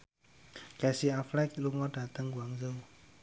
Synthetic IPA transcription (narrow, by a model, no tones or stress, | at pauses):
kɛsiaflɛkiluŋɔda̤t̪əŋɡuaŋzəw